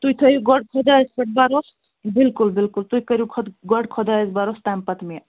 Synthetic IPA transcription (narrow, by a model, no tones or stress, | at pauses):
t̪ujt̪ʰɔjiɡɔɖkʰɔd̪aspəʈ̚baɾɔs | bilkulbilkult̪ujkəɾikʰɔt̪ɡɔɖkʰɔd̪aezbaɾɔst̪ampat̪mija